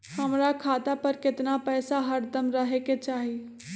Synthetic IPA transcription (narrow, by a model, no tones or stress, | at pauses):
həmɾakʰaːt̪apəɾkɪt̪napɛːsaɦəɾd̪əmɾəɦeket͡ʃaːɦi